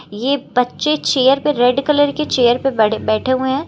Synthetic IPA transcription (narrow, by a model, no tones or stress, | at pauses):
jebɐtːʃet͡ʃeːjəɾpeɾeɖkələɾket͡ʃeːjəɾpebɛːʈʰeɦuẽɦɛ̃ː